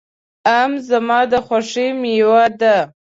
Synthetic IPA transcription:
amzamɑd̪əxwaʂemjwad̪a

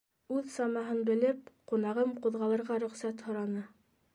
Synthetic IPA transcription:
ʉðsɑmɑɦɤnbɘ̆lɘp̚qunɑʁɤmquðʁɑlˠɤ̆ɾʁɑɾɵ̆χsæt̪hŏɾɑnɤ

